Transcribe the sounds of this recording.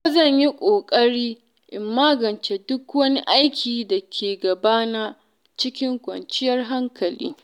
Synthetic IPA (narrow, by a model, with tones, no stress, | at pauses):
a˦zɐ˦˨ɲji˦kʷʼoː˨kʼɐ˦ɽiː˦ | ʔɪ˨mːaː˦ɡɐ˨nt͡ʃe˨dʊ˦kwɐ˦ni˦ʔa˦jkʲʰiː˨da˨kʲʰeː˨ɡɐ˨baː˦na˦ | t͡ʃɪ˦kʲɪ˦ŋkʷʼɐ̰˨nt͡ʃɪ˦jɐ˦rɦa˦ŋkɐ˨lḭː˦